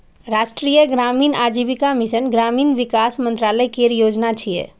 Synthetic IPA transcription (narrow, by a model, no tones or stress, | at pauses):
ɾaːʃʈɾiːjəɡɾaːmiːnaːd͡ʒiːʋikamɪʃənɡɾaːmiːnʋɪkaːsmə̃nt̪ɾaːləjkeɾijoːd͡ʒnat͡ʃʰiḛ